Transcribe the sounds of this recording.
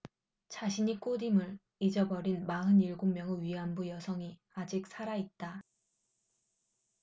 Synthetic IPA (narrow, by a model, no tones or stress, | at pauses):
t͡ɕaɕʰiɲik͈odimɯɭ | id͡ʑʌbʌɾinmaɦɯniɭɡomːjʌŋɯɥiambujʌsʰʌŋi | ad͡ʑik̚sʰaɾait̚t͈a